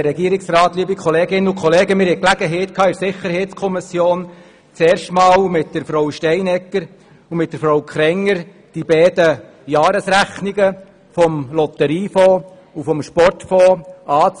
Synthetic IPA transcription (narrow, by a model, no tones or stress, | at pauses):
ɾɛɡiəɾɪksrɑːt̪lyəbikʰχɔleːɡɪnukʰχɔleːɡəmɪɾhɛklæɡ̥əɦɛɪt̪̚kʰɑːɪɾsɪχəɾhɛɪtskʰɔmɪsjoːn | t͡sɛːɾʃtmɑːlmɪt̚d̥əɾfɾoʊʃtɛɪnɛkːəɾ | umɪt̚d̥əɾfɾowkʰɾɛŋːəɾ | d̥ibɛːdə | jɑːɾəsɾæχniɡə | fɔmlɔt̪əɾiːfɔː | ufɔmʃpɔrtfɔːɑːt͡s